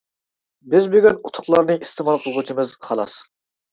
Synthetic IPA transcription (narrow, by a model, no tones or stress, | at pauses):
bɪzbøɡʲɛnut̪ʰʊ̥χlˠɑɾnɨist̪ʰɨmɑlˠqʰəlˠʁut͡ʃʰimɨzχʰɑlˠɑ̰s